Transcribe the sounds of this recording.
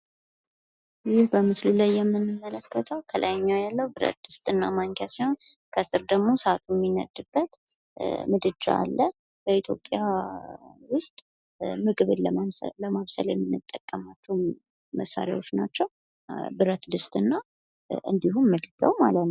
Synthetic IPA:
jɪhbəmɨslulajːɛmːɨnːɨmːələkʰːət̪ʰəwk̪ʰəlʔa̰jɲːawjalːəwbɨɾə̰t̪̚d̪ɨst̪ʼɨnːamaŋk̪ʰjasiho̞nkʰəsɨɾd̪əɡmo̞səat̪ʰujmːinə̰d̪ɨbːət̪ | mɨd̪ɨd͡ʒa̰a̰lːə | b̥əit̪ʰjo̞̰pʼːja | wʊst̪ʼ | mɨɡβɨələmaβsə̰ljɛmːɨnːɨt̪ʼːəkʼːəmat͡ʃːɛw | məsːa̰ɾja̰wot͡ʃnat͡ʃːɛw | bɨɾət̪d̪ɨst̪ʼɨnːa | ʔɨ̰nd̪iɦumːɨd̪ɨd͡ʒa̰wmalət̪n

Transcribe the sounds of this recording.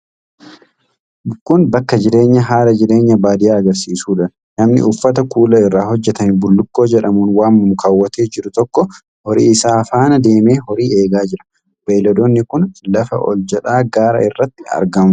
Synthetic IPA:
kʊnbɐkːɐd͡ʒɪɾe̞ːɲːɐɦaːlɐd͡ʒɪɾe̞ːɲːɐbaːd̪ɪjaːɐɡɐɾsiːsuːᶑɐn | nɐmnɪ̰ʊfːɐt̪ɐkuːlɐɪrːaːhɔd͡ʒːɛt̪ɐmɪbʊlːʊkːo̞ːd͡ʒɛᶑɐmuːnwaːmːʊmʊkaːwːɐt̪eːd͡ʒɪɾʊt̪ɔkːɔ | hɔɾḭːɪsaːfaːnɐd̪eːme̞ːhɔɾiːe̞ːɡaːd͡ʒɪɾɐ̥ | b̥eːlɔd̪onːɪkʊnlɐfɐ̰ʔɔ̰ld͡ʒɛᶑaːɡaːɾɐ̰ɪrːɐt̪ːɪɐ̰ɾɡɐm

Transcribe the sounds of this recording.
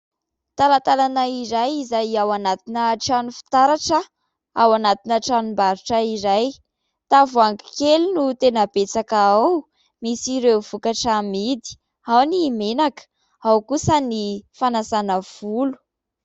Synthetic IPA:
t̪alat̪alanaiɾajizajawanat̪inəʈ͡ʂanufi̥t̪aɾaʈ͡ʂə | awanat̪inəʈ͡ʂanumbaɾuʈ͡ʂəiɾaj | t̪avuaŋɡi̥kelunut̪enəbet͡sakaaw | misiɾewv̥ukaʈ͡ʂamid̪i̥ | awnimenakə̥ | awkusənifanasanəv̥ulu̥

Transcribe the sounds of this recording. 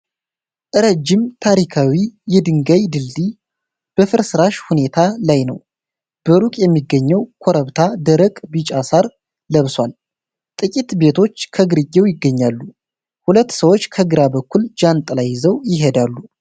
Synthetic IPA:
ʔɨɾəd͡ʒːɪmt̪ʰaɾikʰawijɛd̪ɨŋɡajd̪ɨlːi | b̥əfɨɾsɨɾaʃhune̞t̪ʰalajnə̰w | b̥əɾukʼjɛmːiɡːəɲːɛwkʰoɾəβt̪ʰad̪əɾəkʼbɨt͡ʃʼasaɾ | ləβswal | t̪ʼɨkʼit̪be̞t̪ʰo̞t͡ʃːkʰəɡɨɾɨɡːɛwjɪɡːəɲːalːu | hulət̪ːsəwo̞t͡ʃːkʰəɡɨɾabəkːuld͡ʒant̪ʼlajːɪzəwjɪɦed̪alːu

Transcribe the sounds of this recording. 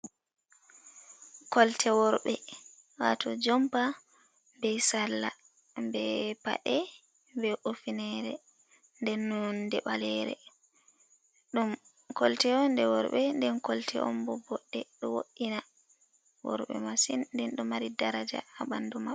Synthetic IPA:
kɔltʰɛwɔɾɓɛ | watɔd͡ʒɔmpa | mbɛsalːa | mbɛpa̰ʔɛ | bɛofinɛɾɛ | ndɛnːɔndɛɓalɛɾɛ̰ | ɗum | kɔltɛɔndɛwɔɾɓɛndɛnkɔltʰɛ̰ʔɔmbɔbɔɗːɛɗɔwoɗːina | wɔ̰ɾɓɛ̰masinndɛnɗɔmaɾidaɾad͡ʒa̰abanduma

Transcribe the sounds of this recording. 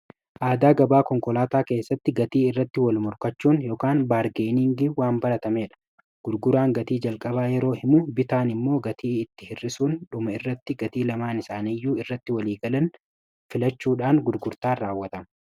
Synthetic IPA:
ʔaːd̪aːɡɐbaːkɔŋkʼɔlaːt̪aːke̞ːsːɐt̪ːɪɡɐt̪iːɪrːɐt̪ːɪwɐlmʊɾkɐt͡ʃːuːnjɔkaːnbaːɾɡeːnɪŋɡɪwaːmbɐɾɐt̪ɐme̞ːᶑɐ̥ | ɡ̥ʊɾɡʊɾaːŋɡɐt̪iːd͡ʒɐlkʼɐbaːjɛɾo̞ːhɪmʊbɪt̪aːnɪmːo̞ːɡɐt̪iːɪt̪ːɪhɪrːɪsuːnᶑʊmɐɪrːɐt̪ːɪɡɐt̪iːlɐmaːnɪsaːnijːuːɪrːɐt̪ːɪwɐliːɡɐlɐn | fɪlɐt͡ʃːuːᶑaːnɡʊɾɡʊɾt̪aːraːwːɐt̪ɐmɐ

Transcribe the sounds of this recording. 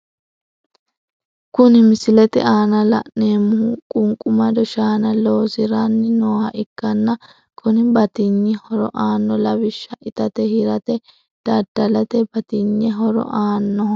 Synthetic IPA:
kʊnɪmɪsɪlɛt̪ɪ̰ʔaːnɐlɐ̰ʔne̞ːmːʊhkʼʊŋkʼʊmɐd̪ɔʃaːnɐlo̞ːzɪɾanːɪnoːhɐʔɪkːɐnːɐ | kʰʊnɪbɐt̪ɪɲːɛhɔɾɔ̰ʔaːnːɔlɐbɪʃːɐʔɪt̪ɐt̪ɛhɪɾɐt̪ɛ | d̪̥ɐd̪ːɐlɐt̪ɛbɐt̪ɪɲːɛɦɔɾɔ̰ʔaːnːɔ

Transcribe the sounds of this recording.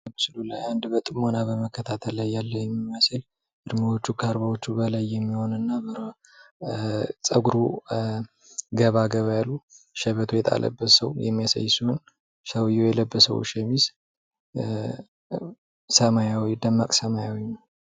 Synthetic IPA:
mt͡ʃɨlulajand̪bət̪ʼɨmonabəməkːət̪ʰat̪ʰəlːajːalːəjɛmːimasɨl | ʔɨɾmɨwot͡ʃːukʰaɾbawo̞t͡ʃːubəlajːɛmːiho̞nɨnːabəɾ | t͡sʼəɡuɾu | ɡəβaɡəβajalːuʃɛβət̪ʰujɛt̪ʼa̰lʔə̰bːəsəwjɛ̰mːijasa̰jːsuɨn | ʃəwjːojɛləbːəsə̰wʃɛmis | səmajawid̪əmːakʼsəmajawin

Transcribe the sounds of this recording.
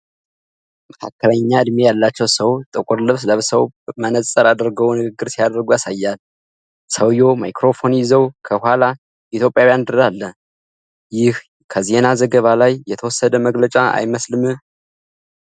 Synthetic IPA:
məkʰa̰kːələɲːaɨd̪me̞jalːat͡ʃːɛwsəwt̪ʼɨkʷʼɨɾlɨβsləβsəwmənəsʼəɾad̪əɾɡəwnɨɡɨɡːɨɾsijad̪əɾɡujasajːal | səwjo̞ma̰jkɾo̞fo̞njɪzəwkʰəhʷwala | ʔit̪ʰjo̞pʼjawjand̪ɨɾd̪alːə | jɪh | kʰəze̞nazəɡəβalajːɛt̪ʰəwɔsːəd̪əməɡlət͡ʃʼaa̰jməslɨmɨ

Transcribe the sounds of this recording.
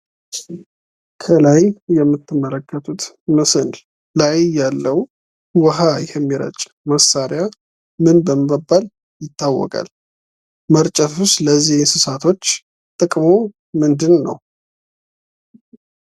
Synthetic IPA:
kʰəlajjɛmːɨt̪ʰːɨmːələkʰːət̪ʰʼut̪ | məsənl | lajjalːəw | wəɦajhɛmːiɾə̰t͡ʃʼ | məsːaɾja | mɨnbəməbːal | jɪt̪ːawːɔ̰kʼa̰l | məɾt͡ʃʼət̪ʰusləzːihsɨsat̪ʰo̞t͡ʃː | t̪ʼɨkʼmo | mɨnd̪ɨnːə̰w

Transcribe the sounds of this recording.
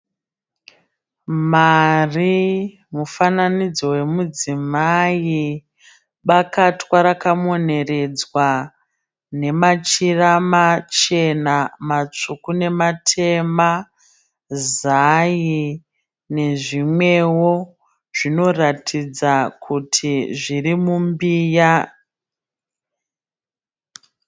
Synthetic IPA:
mari | mufananid͡zo̞we̞mud͡zimai | ɓakatwaɾakamone̞re̞d͡zwa | ne̞mat͡ʃiramat͡ʃe̞namat͡ʂukune̞matʰe̞ma | zaji | ne̞ʐimwe̞wo̞ | ʐ̥ino̞ratʰid͡zakʰutʰiʐirimumbiːja

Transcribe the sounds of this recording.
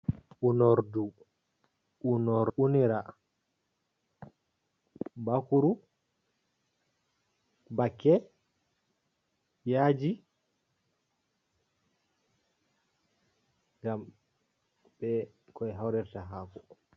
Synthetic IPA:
ʔunɔɾdu | ʔunɔɾuniɾa | bakuɾu | bakːɛ | jaːd͡ʒi | ɡam | b̥ɛkɔɛɦawɾɛɾtaɦaːkɔ

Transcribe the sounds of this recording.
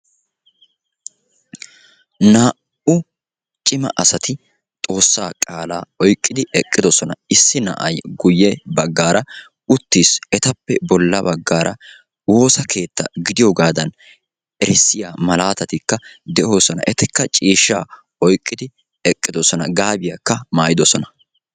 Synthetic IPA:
naː | ʔʊ | t͡ʃʼɪmɐ̰ʔɐsɐt̪ɪ | t̪ʼo̞ːsːaːkʼaːlaːɔjkʼːɪd̪ɪʔɛkʼːɪd̪ɔsɔnɐ̰ɪsːɪnɐ̰ʔɐjɡʊjːɛbɐɡːaːɾʔɐ | ʊt̪ːiːsɛt̪ɐpːɛbɔlːɐbɐɡːaːɾʔɐ̰ | wo̞ːsɐkʰe̞ːt̪ːɐ̰ɡɪd̪ɪjoːɡaːd̪ɐn | ɛɾɪsːɪjaːmɐlaːt̪ɐt̪ɪkːɐd̪ɛʔoːsɔnɐ̰ʔɛt̪ɛkːɐt͡ʃʼiːʃːaː | ɔjkʼːɪd̪ɪ | ɛkʼːɪd̪ɔsɔnɐɡaːbɪjɐkːɐmaːjɪd̪ɔsɔnɐ

